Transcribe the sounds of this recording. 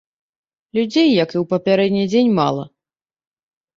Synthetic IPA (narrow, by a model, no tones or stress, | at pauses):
lʲud͡zʲejːɐkiwpɐpʲaɾɛd̪ʲnʲid͡zʲenʲma̰lˠɐ̰